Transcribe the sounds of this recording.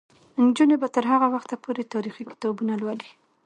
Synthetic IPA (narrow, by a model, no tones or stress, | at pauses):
ɪnd͡ʒunebat̪əɾɦaɣawaxt̪apʰoɾet̪ɑɾixikɪ̥t̪ɑbunalwali